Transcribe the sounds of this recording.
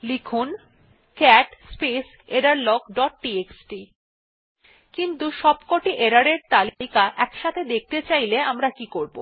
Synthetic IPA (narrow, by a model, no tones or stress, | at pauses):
likʰun | kɛʈspes | eɾaɾlɔɡɖɔʈ̚ʈieksʈi | kint̪uʃɔbkoʈiʔeɾaɾeɾt̪alikaʔɛkʃat̪ʰed̪ek̚ʰt̪et͡ɕajleamɾakikoɾbo̰